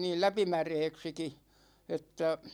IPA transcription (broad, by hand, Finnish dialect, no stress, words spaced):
niːl læpimæreːksiki etːæ